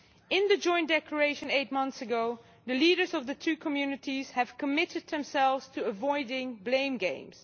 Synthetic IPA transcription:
ɪ̃nðəd͡ʒɔ̃ɪ̃nd̥ɛkʰləɹeɪʃə̃neɪt̚mʌ̃nθsəɡoʊ | ðəliːɾə˞zʌvðətʰʉkʰəmjʉnɨtiz̥hɨv̥kəmɪtɨd̪̚ðə̃msɛlˠvz̥tʰuəvɔɪdɪ̃ŋblẽɪ̃mɡḛ̃ɪ̃mz̥

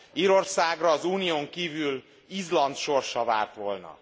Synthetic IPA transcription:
iːɾo̞rsaːɡrɒːzuːnijoːŋkiːvyl | izlɒnt̪ʃo̞rʃɒva̰ːrt̪ʋo̞lnɒ̰

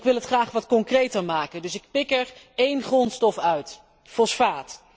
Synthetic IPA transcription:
kʋɪlˠɦətχraːχʋɑtkɔŋkrejtəɹmaːkəndɵsɪk̚pɪkɛɹ | ejnχrɔnstɔfœɥt | fɔsfaːt

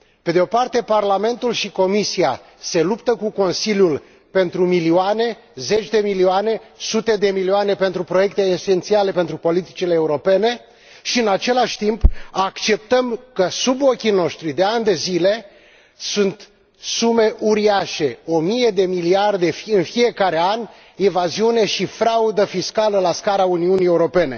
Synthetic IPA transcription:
pe̞d̪eo̞part̪e̞parlame̞nt̪ulʃiko̞misia | se̞lupt̪əkuko̞nsiljul | pe̞nt̪ɾumilioane̞ | ze̞t͡ʃʲd̪e̞milioane̞sut̪e̞d̪e̞milioanepe̞nt̪ɾupɾo̞je̞k̚t̪e̞ːse̞nt̪siale̞pe̞nt̪ɾupo̞lit̪i̥t͡ʃileːuɾo̞pe̞ne̞ | ʃiɨnat͡ʃe̞laʃʲt̪impakt͡ʃe̞p̚t̪əmkəsubo̞kʲino̞ʃt̪ɾid̪e̞anʲd̪e̞zile̞ | sunt̪ | sume̞ʔuɾiaʃe̞o̞mije̞d̪e̞miliard̪e̞ɨnfije̞kaɾe̞anʲ | evaziune̞ʃifɾaud̪əfiskaləlaskaɾauniunieuɾo̞pe̞ne̞

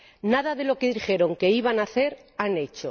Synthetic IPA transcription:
naðaðe̞lo̞ke̞ðixe̞ɾo̞ŋke̞iβanaθe̞ɾane̞t͡ʃo

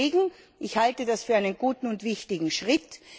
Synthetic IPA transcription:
eːɡŋ̩ | ʔɪçhaltədasfyːɐaɪnənɡuːtn̩ʊntv̥ɪçtɪɡŋ̩ʃʁɪt

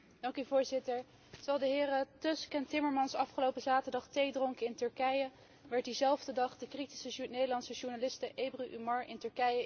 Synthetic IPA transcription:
d̥ɑŋkyvʊːɹzɪtəɹ | tɑlˠdəɦɪːrətøskəntɪməɹmɑnsɑfχəlowpəzaːtəɹdɑχtejdroŋkəɪntɵɹkɛjə | ʋɛɹt̚dizɛlˠvdədɑχdəkriti̥sənejdəlɑntsəʒuɹnalɪstəʔejbryʔymɑɹɪntɵɹkɛjə

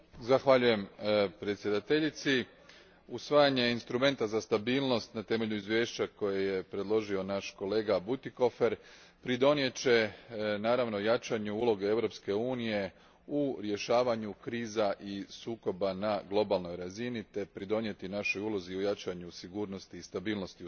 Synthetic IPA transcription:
zaxʋaʎuje̞mpɾe̞t̪sʲje̞d̪at̪e̞ʎit̪si | usʋaːjaɲe̞inst̪ɾume̞nt̪azast̪abiːlˠno̞st̪nat̪e̞me̞ʎuizʋje̞ːʃt͡ɕako̞jeje̞pɾe̞d̪lˠo̞ʒio̞naʃko̞le̞ːɡabut̪iko̞fe̞ɾ | pɾid̪o̞nje̞t͡ɕe̞naːɾaʋnojat͡ʃaɲuulˠo̞ɡeeʋɾo̞pske̞uːnije̞ | uɾje̞ʃaːʋaɲukɾiːzaʔisuːko̞banaɡlˠo̞balno̞jɾazinit̪e̞pɾid̪o̞nje̞t̪inaʃo̞julˠo̞ziojat͡ʃaɲusiɡuːɾno̞st̪iːst̪abiːlno̞st̪i

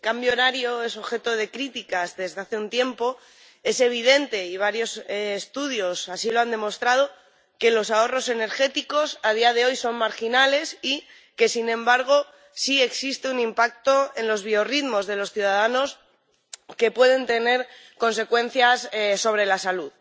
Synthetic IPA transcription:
kambjo̞naɾjo̞e̞so̞βxe̞t̪o̞ð̞e̞kɾit̪ikazðe̞zðeaθe̞unt̪je̞mpo̞ | e̞se̞β̞iðe̞nt̪e̞iβ̞aɾjo̞seːst̪uðjo̞sasilo̞and̪e̞mo̞st̪ɾað̞o̞ | ke̞lo̞sao̞ro̞se̞ne̞ɾxe̞t̪iko̞sað̞iað̞e̞o̞jso̞nmaɾxinale̞si | ke̞sinẽ̞mbaɾɣ̞o̞ | sie̞ksist̪eunĩmpak̚t̪o̞e̞nlo̞zβio̞riðmo̞zðe̞lo̞sθjuðaðano̞s | ke̞pwe̞ð̞e̞nt̪e̞ne̞ɾ | ko̞nse̞kwẽ̞n̟θjassːo̞β̞ɾe̞lasaluð

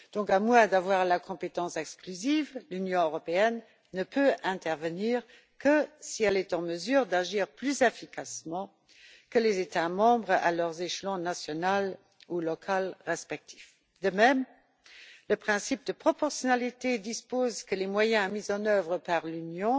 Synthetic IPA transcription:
d̥̪ɔ̃kamwɛ̃d̪avwaːʁlakʰɔ̃pet̪ɑ̃sɛksklyzivlynjɔ̃øʁɔpeɛnː | əpʰøɛ̃t̪ɛʁvəniːʁ | kʰəsiɛlɛt̪ɑ̃məzyːʁd̪aʒiːʁplyzɛfikʰasmɑ̃ | kəlezet̪amɑ̃bʁəa̰lœʁzeʃlɑ̃nasjɔnal | ulɔkʰalʁɛspɛk̚t̪ʰi̥f | d̪əmɛm | ləpχɛ̃sip̚d̪əpχɔpɔʁsjɔnalit̪ed̪ispozkəlemwajɛ̃mizɑ̃nœvʁəpaʁlynjɔ̃

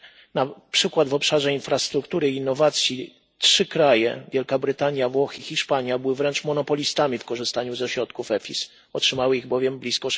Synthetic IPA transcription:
napʂɘkwad̪vɔpʂaʐɛinfɾast̪ɾukt̪uɾɘiːnːɔvat̪sʲji | tʂɘkɾajɛ̰vʲjɛlkabɾɘt̪aɲjavwɔxixʲiʂpaɲjabɘwɘvɾɛnt͡ʂmɔnɔpɔlʲist̪amʲifkɔʐɘst̪aɲuzɛɕɾɔt̪kufɛfʲis | ɔtʂɘmawɘiɣbɔvʲjɛmblʲiskɔ

